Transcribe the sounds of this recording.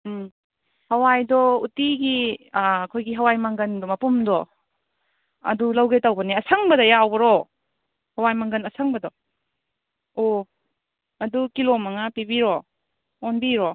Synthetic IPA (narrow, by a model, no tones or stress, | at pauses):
hɐwajdɔutiɡi | kʰojɡiɦɐwajmɐŋɡɐndɔmɐpumdɔ | ɐ̰dulɐwɡejtɐwbɐniɐsɐŋbɐdɐjawbɐɾɔ | hɐwajmɐŋɡɐnɐsʰɐŋbɐdɔ | o | ɐdukilomɐŋapibiɾɔː | nbiɾɔ